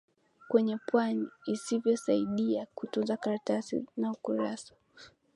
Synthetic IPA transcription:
kwɛɲɛpwaniːsivjɔsaiɗiakutunzakaɾatasḭnaukuɾasḁ

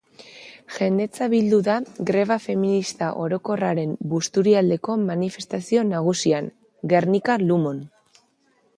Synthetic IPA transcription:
ʝe̞nd̪e̞t͡saβild̪uðaɡɾe̞β̞afe̞minist̪aʔo̞ɾo̞ko̞raɾe̞mbust̪uɾiald̪e̞ko̞manife̞st̪asio̞naɣ̞usiaŋ | ɡe̞rnikalumo̞n

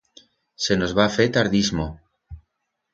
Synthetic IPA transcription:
se̞no̞zβafet̪aɾðizmo

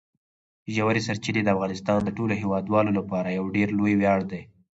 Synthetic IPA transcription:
ʒawaɾesaɾt͡ʃined̪əafɣɑnɪst̪ɑnd̪əʈoloɦewɑd̪wɑlolapɑɾajawɖeɾlojwjɑɽd̪ej

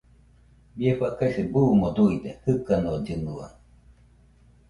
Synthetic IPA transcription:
bieɸakasebuːmod̪uid̪ehɯkanoɟɯnua̰

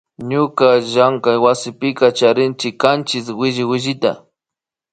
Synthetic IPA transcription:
ɲʊkaʒaŋkajwasɪpɪkat͡ʃaɾɪnt͡ʃɪkːant͡ʃɪs̬wɪʒɪwɪʒɪt̪a̰

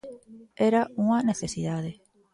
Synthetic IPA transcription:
eɾauŋaneθesiðaðe

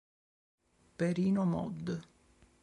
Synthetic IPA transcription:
peɾiːnomɔ̰d̪ː

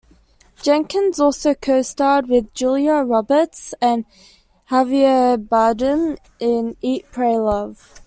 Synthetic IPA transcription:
d̥ʒ̥ɛ̃ŋkə̃nzɔˑlˠsəʊkʰəʊstɑːd̚wɪðd͡ʒulˠjəɹɒbətsə̃n | haviəbɑdə̃n | ɪ̃niˑʔpʰɹ̥eɪlʌv̥

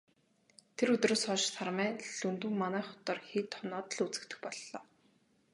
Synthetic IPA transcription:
t̪ʰeɾɵt̪roːsɔːʃsʰarmæːɮɵnt̪uːŋmanæːχʊ̥t̪ɔːrxit̪ʰːɔnɔːt̪ə̆ɮut͡sɘ̆kt̪ɘ̆xpɔɮːɔː

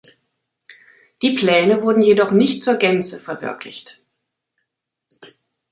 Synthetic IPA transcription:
d̥iːpl̥ɛːnəvʊɐdn̩jedɔχnɪçtt͡suːɐɡɛnt͡səfɛɐvɪ̰ɐklɪ̰çt

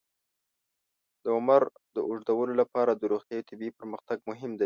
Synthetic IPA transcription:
d̪əʊmaɾ | d̪əʔʊʐd̪awəlolapɑɾad̪əɾuɣt̪jɑjot̪ʰɪbipəɾməxt̪aɡ̚mʊɦɪmd̪a

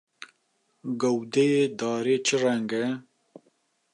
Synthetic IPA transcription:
ɡɐwd̪ejed̪ɑːɾeːt͡ʃʰərɛŋɡɛ

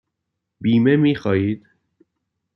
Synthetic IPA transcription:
biːme̞miːxɒːjiːd̪̥

